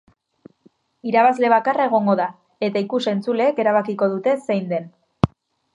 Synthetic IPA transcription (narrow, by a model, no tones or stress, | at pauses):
iɾaβ̞azle̞β̞akarae̞ɣ̞o̞ŋɡo̞ða | e̞t̪aikuse̞nt͡sule̞ːke̞ɾaβakiko̞ðut̪e̞se̞jnd̪e̞n